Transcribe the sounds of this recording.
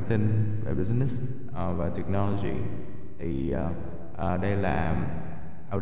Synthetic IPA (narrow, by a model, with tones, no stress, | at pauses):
t̪i˧ŋva̰˨˩ɓi˦˩nɛ˦˥s | vaː˨˩t̪ɛ˨˩k̚nɔ˧lo˧zḭ˨˩ | t̪ʰi˨˩˨ | ʔəː˨˩ɗə˧jlaː˨˩ | ʔa˧